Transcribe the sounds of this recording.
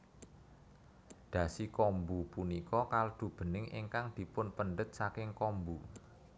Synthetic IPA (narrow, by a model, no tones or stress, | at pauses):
d̪̥ä̤sikɔmbupunikɔkald̪̥ṳb̥ə̤nɪŋʔɪ̰ŋkaŋd̪̥i̤pʊnpənɖət̪̚sakɪŋkɔmbu